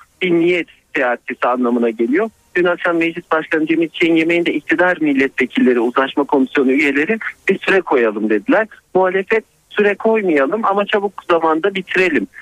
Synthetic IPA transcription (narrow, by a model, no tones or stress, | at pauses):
binijɛt̪t̪ʰejaːt̪ʰesianlˠamɯnaɟe̞lʲijo̞ | ɟ̥ynakʃanmɛd͡ʒlʲisbaʃkʰanɯd͡ʒemit̪t͡ʃʰejinje̞mejind̪ɛic̚t̪ʰid̪aɾmilʲːɛt̪ve̞cʰilʲːe̞ɾiuzˠaʃmakʰo̞misjo̞nuyje̞lʲe̞ɾibiɾsyɾɛkʰo̞jalˠɯmd̪e̞d̪ilʲæɾmuɦaːlʲe̞fɛt̪ | syɾɛkʰo̞jmajalˠɯmamat͡ʃʰabuk̚zamand̪abit̪ʰiɾe̞lʲim